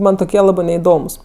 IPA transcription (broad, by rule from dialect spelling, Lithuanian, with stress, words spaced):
ˈmɐn toːˈkʲiɛ ˈlˠɑːbɜ nʲɛɪˈdoːmʊs